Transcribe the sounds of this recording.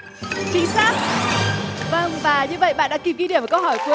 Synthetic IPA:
t͡ɕï˨˦ŋsaː˦˥k̚ | və˧˩nvaː˨˩ɲɨ˧və̰˧˨jɓa̰ː˧˨nɗa̰ː˧˥ki˨˩wki˧i˧˩əmvkə˧whɔː˧˩jku˧˩˨

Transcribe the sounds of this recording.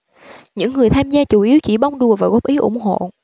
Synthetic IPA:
ɲɨ̰˧˥ŋːɨ˨˩əjt̪ʰaː˧mzaː˧t͡ɕu˧˩ʔi˨˦əwt͡ɕi˧˩ɓa˧wŋ͡mɗu˨˩əvaː˨˩ɣɔ˦˥p̚ʔi˨˦ʔʊ̰˧˩ŋ͡mɦo̰˧˨

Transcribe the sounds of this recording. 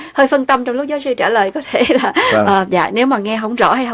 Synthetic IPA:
həː˧jfə˧nt̪ə˧mt͡ɕɔ˧wŋ͡mlʊ˦˥k͡p̚zɔː˨˦wsɨ˧t͡ɕaː˧˩ləː˨˩jkɔ˨˦t̪ʰe˧˩laː˨˩ʔəː˨˩za̰ː˧˨ne˨˦wmaː˨˩ŋɛ˧ɦə˧˩wŋ͡mzɔ̰˧˩ha˧jɦ

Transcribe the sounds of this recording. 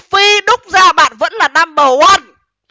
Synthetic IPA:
fi˧ɗʊ˦˥k͡p̚zaː˧ɓa̰ː˧˨nvə̰˧˥nlaː˨˩na˧mɓəː˨˩ʔa˧˩n

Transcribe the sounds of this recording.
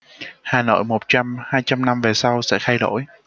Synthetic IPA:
haː˨˩no̰˧˨jmo˨˩t̚t͡ɕa˧mhaː˧jt͡ɕa˧mna˧mve˨˩sa˧wsɛ̰˧˥xʰa˧jɗo̰˧˥˨j

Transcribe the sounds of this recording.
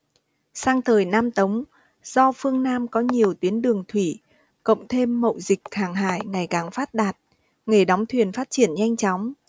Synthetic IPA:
saː˧ŋt̪ʰəː˨˩jnaː˧mt̪ə˨˦wŋ͡m | z̥ɔ˧fɨ˧əŋnaː˧mkɔ˨˦ɲi˨˩əwt̪wi˨˦ənɗɨ˨˩əŋt̪ʰwi˧˩ | kə̰˧˨wŋ͡mt̪ʰe˧mːə̰˧˨wzï˨˩k̚haː˧˩ŋɦa̰ː˧˨jŋa˨˩jkaː˨˩ŋfaː˦˥t̚ɗaː˨˩t̚ | ŋe˨˩ɗa˨˦wŋ͡mt̪ʰwi˨˩ənfaː˦˥t̚t͡ɕi˧˩ənɲa˧jŋ̟t͡ɕɔ˨˦wŋ͡m

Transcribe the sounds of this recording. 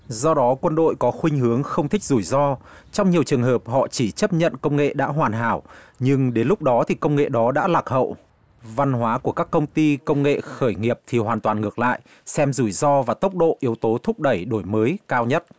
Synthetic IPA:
zɔ˧ɗɔ˨˦kwə˧nɗo̰˧˨jkɔ˨˦xwï˧ŋ̟ɦɨ˨˦əŋxə˧wŋ͡mt̪ʰï˦˥k̚zu˧˩jzɔ˧t͡ɕɔ˧wŋ͡mɲi˨˩əwt͡ɕɨ˨˩əŋɦəː˨˩p̚hɔ̰˧˨t͡ɕi˧˩t͡ɕə˦˥p̚ɲə̰˧˨nkə˧wŋ͡mŋḛ˧˨ɗa̰ː˧˥ɦwaː˨˩nɦaː˧˩wɲɨ˧ŋɗe˨˦nlʊ˦˥k͡p̚ɗɔ˨˦t̪ʰi˨˩kə˧wŋ͡mŋḛ˧˨ɗɔ˨˦ɗa̰ː˧˥laː˨˩k̚hə̰˧˨w | va˧nɦwaː˨˦ku˧˩əkaː˦˥kːə˧wŋ͡mt̪i˧kə˧wŋ͡mŋḛ˧˨xəː˧˩jŋi˨˩əp̚t̪ʰi˨˩ɦwaː˨˩nt̪waː˨˩nŋɨ˨˩ək̚la̰ː˧˨jʔ | sɛ˧mzu˧˩jzɔ˧vaː˨˩t̪ə˦˥wk͡p̚ɗo̰˧˨ʔi˨˦əwt̪o˨˦t̪ʰʊ˦˥k͡p̚ɗə˧˩jɗo˧˩jməː˨˦jkaː˧wɲə˦˥t̚

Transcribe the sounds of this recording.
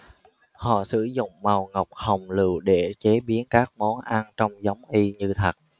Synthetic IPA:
hɔ̰˧˨sɨ̰˧˩zʊ̰˧˨ŋ͡mma˨˩wŋə˨˩wk͡p̚hə˨˩wŋ͡mlɨ̰˧˨wɗe˧˩t͡ɕe˨˦ɓi˨˦ənkaː˦˥k̚mɔ˨˦nʔa˧nt͡ɕɔ˧wŋ͡mza˨˦wŋ͡mʔi˧ɲɨ˧t̪ʰə˨˩t̚

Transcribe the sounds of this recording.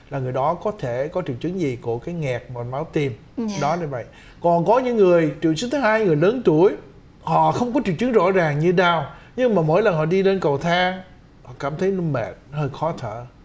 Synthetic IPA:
laː˨˩ŋɨ˨˩əjɗɔ˨˦kɔ˨˦t̪ʰe˧˩kɔ˨˦t͡ɕḭ˧˨əwt͡ɕɨ˨˦ŋzi˨˩ku˧˩əkaː˨˦jŋɛ˨˩k̚mo˨˩t̚ma˨˦wt̪i˨˩m | ɗɔ˨˦ɗa˧jvə̰˧˨j | kɔ˨˩nkɔ˨˦ɲɨ̰˧˥ŋːɨ˨˩əjt͡ɕḭ˧˨əwt͡ɕɨ˨˦ŋt̪ʰɨ˨˦haː˧jŋɨ˨˩əjləː˨˦nt̪u˧˩əj | hɔ̰˧˨xə˧wŋ͡mkɔ˨˦t͡ɕi˧˨wt͡ɕɨ˨˦ŋzɔ̰˧˥zaː˨˩ŋɲɨ˧ɗaː˧˩wɲɨ˧ŋmaː˨˩mo̰˧˥jlə˨˩nhɔ̰˧˨ɗi˧le˧nkə˨˩wt̪ʰaː˧ | hɔ̰˧˨kaː˧˩mt̪ʰə˨˦jnu˧mɛ̰˨˩t̚həː˧jxɔ˨˦t̪ʰə̰ː˧˨

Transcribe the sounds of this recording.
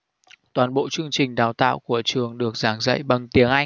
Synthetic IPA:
t̪waː˨˩nɓo̰˧˨t͡ɕɨ˧əŋt͡ɕï˨˩ŋ̟ɗaː˨˩wt̪a̰ː˧˨wku˧˩ət͡ɕɨ˨˩əŋɗɨ˨˩ək̚zaː˨˦ŋzə̰˧˨jɓa˨˩ŋt̪i˨˦əŋʔa˧j

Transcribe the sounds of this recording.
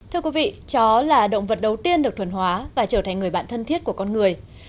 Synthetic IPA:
t̪ʰɨ˧əkwi˨˦vḭ˧˨t͡ɕɔ˨˦laː˨˩ɗə̰˧˨wŋ͡mvə˨˩t̚ɗə˨˩wt̪i˧ənɗɨ˨˩ək̚t̪ʰə˧˩nɦwaː˨˦vaː˨˩t͡ɕəː˧˩t̪a˨˩ŋŋɨ˨˩əjɓa̰ː˧˨nt̪ʰə˧nt̪ʰi˦˥ət̚ku˧˩əkɔ˧nŋɨ˨˩əj

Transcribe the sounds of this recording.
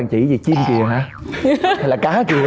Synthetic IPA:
ŋt͡ɕḭ˧˩zi˨˩t͡ɕi˧mki˨˩əɦaː˨˧˦ | a˧jlaː˨˩kaː˨˦t͡ɕu˨˩

